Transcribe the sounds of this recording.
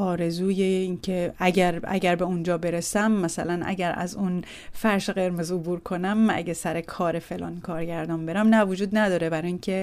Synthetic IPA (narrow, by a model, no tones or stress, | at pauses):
ʔɒːɾe̞zuːjeincʰeæɟæɾæ̰ɟæɾbe̞und͡ʒɒːbe̞ɾesæmːæsæ̰lænʔæ̰ɟæɾæ̰zun | fæɾʃeɣe̞ɾmezobuːɾkʰo̞næmːæ̰ɟæsæɾekʰɒːɾefe̞lɒ̰ːnkʰɒːɾɟæɾd̪ɒːnbe̞ɾæmnævod͡ʒuːd̪næd̪ɒːɾebæɾɒːiŋcʰe